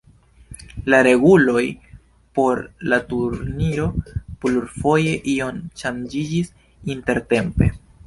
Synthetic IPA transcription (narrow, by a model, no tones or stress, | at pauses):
laɾe̞ɡulo̞j | po̞ɾlatuɾniɾo̞pluɾfo̞je̞ʔio̞nʃand͡ʒid͡ʒis | inte̞ɾte̞mpe̞̰